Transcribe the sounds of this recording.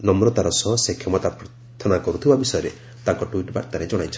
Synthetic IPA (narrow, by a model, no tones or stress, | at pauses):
nɔmɾɔt̪aɾɔsɔɦɔsekʰjɔmɔt̪apɾɔ | t̪ʰːɔnakɔɾut̪ʰibabisɔjɔɾe | t̪aŋkɔʈwiʈba̰ɾt̪aɾed͡ʒɔɽ̃ajt͡ʃʰɔ